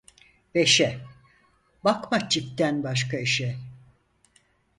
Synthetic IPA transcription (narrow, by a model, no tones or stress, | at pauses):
beʃɛ | bakmat͡ʃʰip̚t̪ænbaʃ̬kaiʃɛ